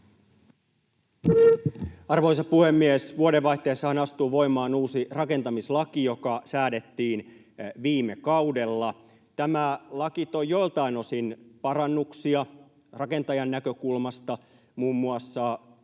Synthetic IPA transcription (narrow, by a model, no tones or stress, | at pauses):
ɑrʋoisɑpuhe̞mːiesʋuoɾeʋʋɑiht̪ːeːsːɑhɑnɑst̪uːʋo̞imɑːnuːsirɑke̞nt̪ɑmislɑkijo̞kɑsæːde̞t̪ːiːn | ʋiːmekɑude̞lːɑ | t̪æmælɑkit̪ojːo̞jlt̪ɑino̞sinpɑɾɑnːuksiɑ | rɑke̞nt̪ɑjɑnːækø̞kulmɑst̪ɑ | muːmːuɑsːɑ